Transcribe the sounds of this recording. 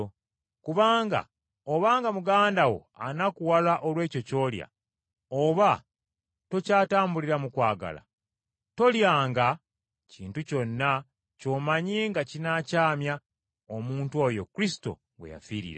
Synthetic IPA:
kuβaːŋɡa̰ | oβaːŋɡamuɡaːndawo̞̰anakuwalaʔo̞lwe̞ːco̞co̞ːlja̰ | oβa | to̞caːtaːmbuliɾamukwaːɡa̰la̰ | to̞ljaːŋɡa | ciːntuco̞nːa | co̞ːmaɲiŋɡacinacaːmja | omuːntwo̞ːjo̞̰kɾisi̥to̞̰ | we̞̰ja̰fiːɾḭɾa

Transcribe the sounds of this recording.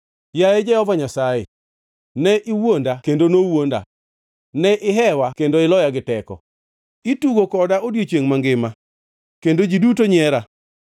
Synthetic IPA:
jajɛd͡ʒɛhɔvaɲasajɛ̰ | nɛʔɪwondakendonowonda̰ | nɛʔɪɦɛwakendoɪlɔjaɡɪtɛkɔ̰ | ituɡokɔdaodjet͡ʃjeŋmaŋɡɪma | kendod͡ʒidutoɲɪɛɾa

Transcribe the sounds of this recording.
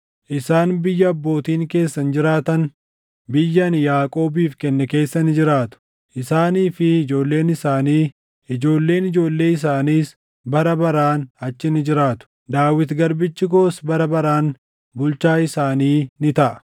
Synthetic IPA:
ʔɪsaːnbɪjːɐːbːo̞ːt̪iːŋke̞ːsːɐnd͡ʒɪɾaːt̪ɐn | bɪjːɐnjaːkʼo̞ːbiːfkɛnːɛke̞ːsːɐnɪd͡ʒɪɾaːt̪ʊ̥ | ʔɪsaːniːfɪɪd͡ʒo̞ːlːe̞ːnɪsaːniː | ɪd͡ʒo̞ːlːe̞ːnɪd͡ʒo̞ːlːe̞ːɪs̬aːniːs | bɐɾɐbɐɾaːnɐt͡ʃːɪnɪd͡ʒɪɾaːt̪ʊ̥ | d̪aːwɪt̪ɡɐɾbɪt͡ʃːɪɡo̞ːsbɐɾɐbɐɾaːn | bʊlt͡ʃaːɪsaːniːnɪt̪ɐʔɐ̥

